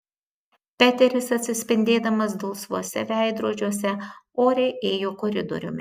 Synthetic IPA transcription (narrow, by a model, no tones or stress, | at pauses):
pʲæːt̪ʲɛɾʲɪsɐt̪ʲsʲɪsʲpʲɪnʲd̪ʲeːd̪ɐmɐs̬d̪ɔlˠsʋuɔsʲɛ̰ʋʲæˑɪd̪ɾuɔd͡ʒʲuɔsʲɛoːɾʲɛɪʔeːjoːkɔɾʲɪd̪ɔ̰ɾʲʊ̰mʲɪ